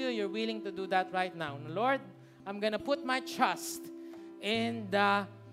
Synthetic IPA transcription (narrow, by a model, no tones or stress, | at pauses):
jujɔɹwɪlɪ̃ŋt̪ʊd̪uðɐt̪ɹajt̪̚nawlɔɹd̪̚ | ʔãjmɡɔnɐpʊt̪̚majtɹast̪ʔɪ̃nd̪ɐ